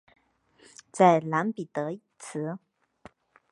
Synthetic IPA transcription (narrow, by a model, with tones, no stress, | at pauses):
t͡sa˥˩ɪla˧˥npi˨˩t̪ɤ˧˥˨t͡sʰɹ̩˧˥